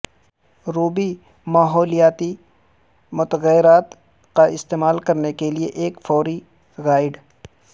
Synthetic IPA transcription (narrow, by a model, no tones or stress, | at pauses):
ɾuːbi | maːɦɔːlijaːt̪i | mʊt̪əɣəjɪɾaːt̪ | kaɪst̪eːmaːlkɐɾnekelieʔeːkfɔːɾi | ɣaːɪɖ